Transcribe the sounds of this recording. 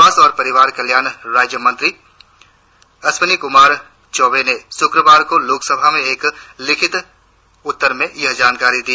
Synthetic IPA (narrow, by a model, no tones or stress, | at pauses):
aːsɔːɾpɐɾɪʋaːɾkɐljaːnɾaːd͡ʒjəmɐ̃nt̪ɾi | ɐsmənikʊmaːɾ | t͡ʃɔːʋenesʊkɾəʋaːɾkoloːksəbʱamẽeːklɪkʰɪt̪ | ʊt̪ːəɾmẽjɐɦd͡ʒaːnkaːɾid̪iː